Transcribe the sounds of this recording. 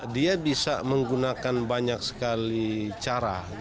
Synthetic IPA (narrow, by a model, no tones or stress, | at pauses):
diabisa̰məŋɡunakanbaɲaksə̥kalit͡ʃaɾa̰